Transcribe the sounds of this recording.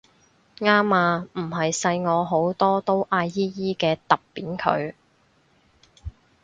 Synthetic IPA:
ŋaː˥maː˧m̩˨˩ɦɐ˨jsɐ˧jŋɔː˨˧ɦo˨˥wt̪ɔː˥t̪o˥wʔaː˧jjiː˥jiː˥kɛː˧t̪ɐ˨pːiː˨˥nkʰɵ̰˨˧ɥ

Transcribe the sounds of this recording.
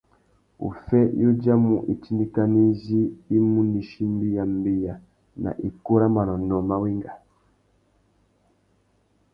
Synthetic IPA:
ṵ˨fɛ˦ju˦d͡ʒa˦mu˨ʔi˨t͡ʃi˦ndi˦ka˦ni˦ziː˦mu˦ni˨ʃi˦m˦bi˦ja˨mbi˨ja˨ | na̰˨ʔi˨ku˦ɾa˦ma˨nɔ˨nɔ˨ma˦˨wi˦ŋɡa˨

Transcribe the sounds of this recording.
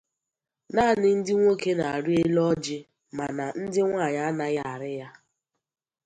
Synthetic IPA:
na˦˨nɪ˨n̩˦dɪ˦ŋʷo˦ke˦na˨a˨ɾi˦e˦lɔ˦d͡ʒɪ˦ | ma˨na˨n̩˦dɪ˦ŋʷa˦˨ɲa˦a˦na˦ja˦a˨ɾɪ˦ja˦

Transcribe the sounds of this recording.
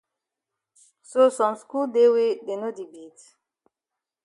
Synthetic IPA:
so˦sɔ̃˨msku˦lde˦we˦de˨no˦di˨bi˨t

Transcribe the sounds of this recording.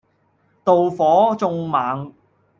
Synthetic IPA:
t̪o˨wfɔː˨˥t͡sʊ˧ŋmaː˨˥ŋ

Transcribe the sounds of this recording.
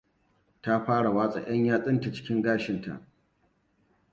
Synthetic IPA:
ta˦ɸaː˦ɽa˨waː˦sʼɐ̰˨ʔj̰ɐ˦ɲjaː˦sʼɪ˦nta˨t͡ʃɪ̥˦kʲɪ˦ŋɡaː˦ʃɪ˨ntʰa̰˨ʔ

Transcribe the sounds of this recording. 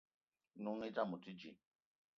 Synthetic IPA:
nu˦ŋi˦ta˦˨mu˨ti˦d͡ʒḭ˨

